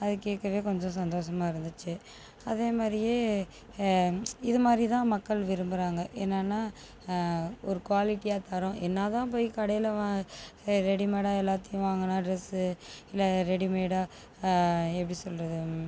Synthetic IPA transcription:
ɐðɯkːeːʈkɾɐʋeːkɔɲd͡ʒɔ̃s̬ɐnd̪oːʂɐmaːɪɾɯnd̪ɯt͡ʃːɯ | ɐðeːmaːd̪ɾɪjeː | ɪðɯmaːd̪ɾit̪ãːmɐkːɐɭʋɪɾɯmbɯɾaːŋɡɐʔeːnːaːnːaː | ɔɾɯkʋaːlɪʈːijaːt̪ɐɾʊ̃ʔɛnːaːt̪ãːp̬oːjikɐɽɐjɪlʋaː | ɾɛɽimeːɽaːɛlːaːt̪ɪjʊ̃ʋaːŋɡɐnːaːɖɾɛsɯɪlːɛɾɛɽimeːɽaː | ɛpːɐɽisɔlɾɐðɯ

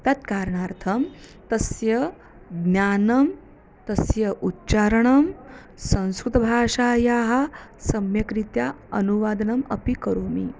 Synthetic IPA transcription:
t̪ɐt̪kaːɾɳaːɾt̪ʰɐmt̪ɐsjɐ | ɡnjaːnɐm | t̪ɐsjɐʔutːt͡ʃaːɾɐɳɐm | sɐ̃ñskɾut̪ɐbʱaːʂaːjaːɦɐ̆sɐmjɐkɾit̪ja | ɐnuʋaːd̪ɐnɐmɐ̰pikɐɾoːmḭ

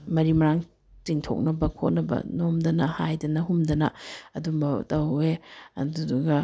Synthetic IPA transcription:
mɐɾimɐɾaŋ | tiŋtʰo̰k̚nɐbɐkʰo̰t̚nɐbɐ̰nomdɐnɐhajdɐnɐɦumdɐnɐ̰ɐdubɐtɐweɐ̰duduɡɐ

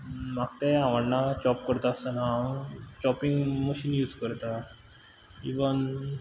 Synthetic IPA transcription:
maɡt̪ɛ̃aʋəɽnat͡ɕɔp̚kəɾt̪aəsənat͡ɕɔpiŋɡməɕiːnjuːd͡zkəɾt̪a | iʋən

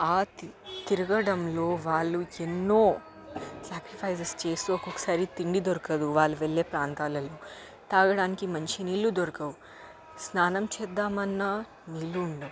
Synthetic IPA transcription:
aːt̪iɾɐɡɐɽɐmlo̞ːʋaːɭːuenːo̞ː | saːkɾipʰɐjsest͡ʃe̞ːst̪uɔkokːɐ̥saːɾit̪iɳɖid̪oɾɐkɐd̪uʋaːɭːuʋeɭːe̞ːpɾaːnt̪aːlɐloː | t̪aːɡɐɽaːnikimɐnt͡ʃiniːlːud̪oɾɐkɐwu | snaːnɐmt͡ʃɛːd̪ːaːmɐnːaː | niːlːuːɳɖɐm

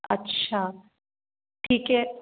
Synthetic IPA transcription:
ɐtːʃʰaː | ʈʰiːkɦɛ

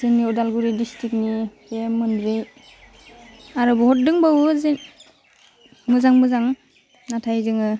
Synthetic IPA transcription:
zɯŋniɔdalɡuɾidistɾik̚ni | emɯndɾɯj | aɾɯbɔɦɔt̚dɯŋbawze | mɯzaŋmɯzaŋ | natʰajzɯŋɯ

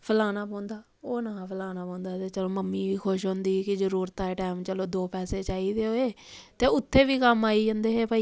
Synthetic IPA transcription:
pʰəlaːnaːpɔ̃ːnd̪aː | oːnãːpʰəlaːnaːpɔ̃ːnd̪aːt̪eːt͡ʃəloːməmːiːʋiːkʰoʃɦõːnd̪iːkɪzəɾuːɾt̪aːeːʈaːmt͡ʃəloːd̪oːpɛːseːt͡ʃaːiːd̪eːoːeː | t̪eːʊt̪ʰːeːʋiːkəmaːiːd͡ʒə̃nd̪eːɦeːpaiː

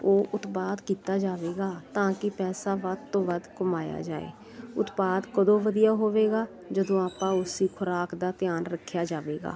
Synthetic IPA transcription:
oːʔʊt̪paːd̪kiːt̪aːd͡ʒaːʋeːɡaːt̪ãːkɪpɛːsaːʋəd̪t̪õːʋəd̪kəmaːja̰ːd͡ʒa̰ːḛː | ʊt̪paːd̪kəd̪õːʋəd̪ijaːɦoːʋeːɡaː | d͡ʒəd̪õːaːpãːʊsiːkʰʊɾaːkd̪aːt̪ɪjaːnɾəkʰːjaːd͡ʒaːʋeːɡa̰ː

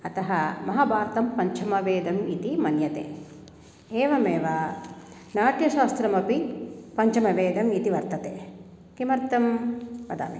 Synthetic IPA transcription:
ɐt̪ɐɦɐmɐɦaːbaːɾt̪ɐmpɐɲt͡ʃʰɐmɐʋeːd̪ɐmit̪imɐnjɐt̪ḛː | eːʋɐmeːʋaː | naːʈjɐʃaːst̪ɾɐmɐpipɐɲt͡ʃɐmɐʋeːd̪ɐmit̪iʋɐɾt̪ɐt̪eː | kimɐɾt̪ɐmːɐd̪a̰ːmḛ

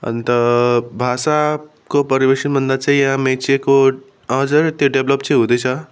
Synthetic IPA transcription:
ə̰nt̪əbʱasa | kopəɾibesənbʱənd̪at͡ʃʰajəɦãmẽt͡ʃeko | ʌ̃ɦd͡zəɾt̪joɖebləpt͡ʃʰiɦud̪əjt͡sʰʌ

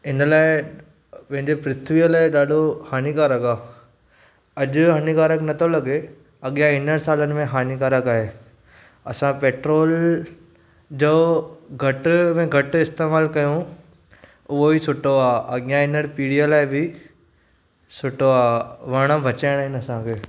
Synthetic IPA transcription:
ɪnəlaːe | pɐ̃ɦɪ̃ɲd͡ʑepɾɪt̪ʰʋijəlaːeɗaːɖʱohaːnikaːɾəkaː | ɐʄʊɦaːnikaːɾəknɐt̪ʰolɐɡe | ɐɠjãɪnəɽsaːlənɪ̆mẽɦaːnikaːɾəkaːɦeː | ɐsãpeːʈɾoːl | d͡ʑoːɡʱɐʈmẽɡʱɐʈɪst̪eːmaːlkɐjũ | ʊoisʰʊʈoaːɐɠjãɪnəɾpiːɽijəlaːebʱi | sʰʊʈoaːʋɐːɽ̃ãbʱɐt͡ʃaːɪɽ̃aːɦɪnɐsãkʰeː

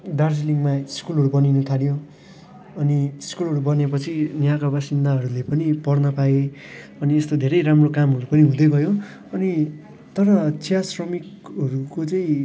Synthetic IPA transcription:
darsliŋɡmaskulɦʌɾubʌninʌt̪ʰaljo | ʌniskulɦʌɾubʌnepʌt͡sʰinjakabasind̪aɦʌɾulepʌnipʌrnʌpae | ʌniest̪od̪ʱeɾʌjɾamrokamɦʌɾupʌniɦũd̪ʌɡʱʌjo | ʌni | t̪ʌɾʌt͡sijasrʌmikɦʌɾukot͡sʌĩ

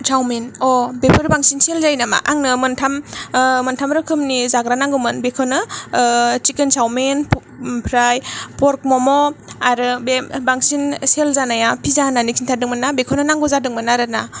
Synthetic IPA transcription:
sʰawmenɔbepʰɯɾbaŋsinselzajnama̰ʔaŋnɯmɯntʰammɯntʰamɾɯkʰɯmnizaɡɾanaŋɡɯmɯnbekʰɔnɯ | t͡ʃikensawmenp | pʰɾajpɔɾk̚mɔmɔaɾɯbebaŋsinselzanajapʰizananikʰintʰadɯŋmɯnabekʰɔnɯnaŋɡɔzadɯŋmɯnaɾɯna

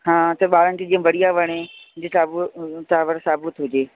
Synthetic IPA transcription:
hãːt̪ɐɓaːɾənɪ̆t̪eːd͡ʑĩːə̃ʋɐɽijaʋɐɽ̃ẽd͡ʑɪtaːbʊt̪aːʋəɾsaːbʊt̪ʰɦʊd͡ʑeː

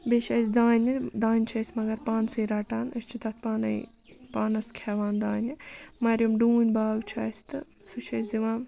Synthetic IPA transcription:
beʃɐsʲd̪aːnʲid̪aːnʲt͡ʃʰɐːsʲmɐɡɐɾpaːnsɐjɾaːʈaːnɐsʲt͡ʃʰit̪ɐt̪̚ʰpaːnɐ̰j | paːnɐskʲʰɛːʋaːnd̪aːnʲimɐɾʲjɐmɖuːnʲbaːwt͡ʃʰaːsʲt̪ɨ | sut͡ʃʰɐːsʲd̪iʋãːn

